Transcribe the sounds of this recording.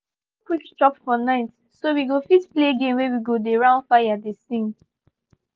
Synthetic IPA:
kut͡ʃtɔpfɔnaɪt | sowiɡofitpleɡẽmwewiɡodeɹãʊ̃ndfajadesĩŋ

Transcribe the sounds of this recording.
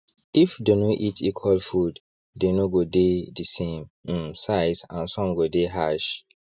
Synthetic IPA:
ifdenoʔitʰikʰwalfud | denoɡodedisẽm̩saɪsã̰nsɔ̃mɡodeɦaʃ

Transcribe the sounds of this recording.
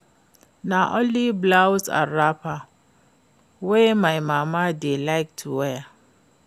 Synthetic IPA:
naʔõnliblawsa̰ɹapa | wemaɪmamadelaɪk̚tʰuwɛ

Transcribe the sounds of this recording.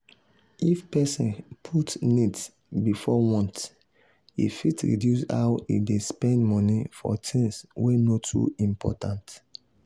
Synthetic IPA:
ifpɛsĩnpʰutnits | bifɔwɔ̃nt | ḭfitɹḭdjusha̰ʊḭdespɛ̃ndmɔnifɔ̰tʰĩnswenotʰṵĩmpʰɔ̰tãnt

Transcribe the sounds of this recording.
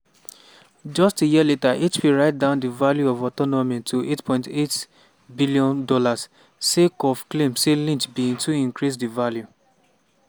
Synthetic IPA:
d͡ʒɔstejiletaʔet͡ʃpiɹaɪt̚dãʊ̃ndivaljuɔvɔtɔnɔmĩtʰuʔetpʰɔ̃ɪ̃ntet | biliɔ̃ndɔlas | sekɔvklẽmselĩntbĩŋtuĩŋkɹis̬divalju

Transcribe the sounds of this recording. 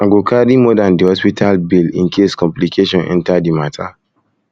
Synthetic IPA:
ãɡokʰadimɔdãndihɔspitʰalbilḭ̃nkʰeskɔ̃mplikʰeʃɔ̃nɛ̰̃ntadimatʰa

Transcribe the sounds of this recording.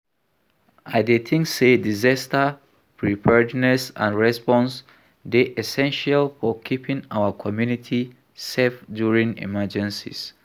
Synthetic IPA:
aɪdetʰĩŋksedizastə | pʰɹipʰɛdnɛsã̰nɹɛspɔ̃ns | deʔɛsɛ̃nʃalfɔkʰipʰĩŋawəkʰɔmjunitʰi | sɛfdjuɹĩŋḭmɛd͡ʒɛ̃nsḭs

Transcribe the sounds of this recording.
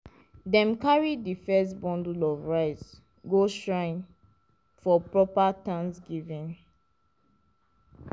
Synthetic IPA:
dɛ̃mkaɹidifɛstbɔ̃ndulɔvɹaɪs | ɡoʃɹãn | fɔpɹɔpatãnsɡivĩn

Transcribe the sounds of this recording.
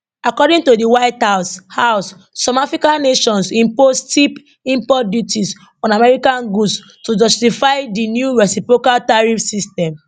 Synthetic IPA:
akɔdĩŋtodiwaɪthaʊshaʊsː | ɔmafɹikãnːeʃɔ̃nsĩmpostip | ĩmpɔdjutis | ɔ̃namɛɹikãnɡus | tud͡ʒɔstifaɪdinjuɹɛsipɹokaltaɹifsistɛ̃m

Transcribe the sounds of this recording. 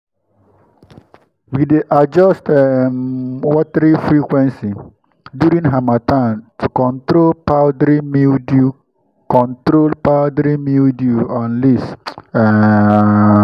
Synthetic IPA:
wideʔad͡ʒɔstɛmwɔtəɾifɾikwɛ̃nsi | djuɾĩŋɦamatãntʰukɔ̃ntɾolpaʊdɾimidu | kɔ̃ntɾolpaʊdɾimiduɔ̃nlisɛ

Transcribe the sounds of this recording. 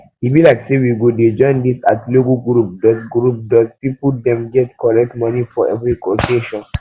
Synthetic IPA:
hibilaɪksewiɡoded͡ʒɔ̃ɪ̃ndisatlokɔɡɹup̚dɔsɡɹup̚dɔspipudɛ̃mɡɛtkʰɔɹɛk̚tmɔnifɔʔɛvɹikɔkeʃɔ̃n

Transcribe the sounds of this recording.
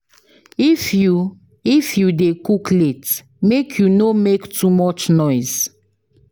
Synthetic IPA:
ifju | ifjudekuklet | mekʰjunomektumɔt͡ʃnɔɪz

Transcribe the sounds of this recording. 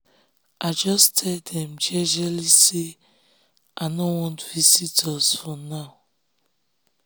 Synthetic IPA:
ad͡ʒɔstʰɛldɛm̩d͡ʒɛd͡ʒelisi | anowɔ̃ntvizitʰɔzfonaʊ

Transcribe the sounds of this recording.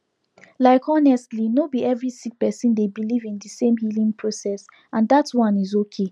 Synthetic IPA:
laɪkʰɔnɛstlinobiɛvɹisik̚pɛsĩndebilivĩndisẽmhilĩŋpʰɹosɛs | ãndatwʌ̃nizokʰe

